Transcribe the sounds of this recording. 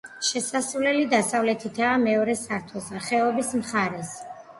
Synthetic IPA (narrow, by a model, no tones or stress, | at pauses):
ʃɛsasulɛlid̪asavlɛt̪ʰit̪ʰaːmɛɔɾɛsaɾt̪ʰɔsaχɛɔbismχaɾɛs